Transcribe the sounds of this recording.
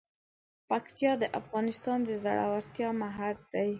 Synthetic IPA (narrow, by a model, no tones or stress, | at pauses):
pakt̪ijɑd̪əʔafɣɑnɪst̪ɑnd̪əza̰ɽʔa̰waɾt̪jɑmaɦald̪aj